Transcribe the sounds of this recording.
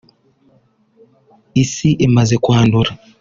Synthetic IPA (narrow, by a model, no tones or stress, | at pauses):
isiʔemazekwaːnduɾa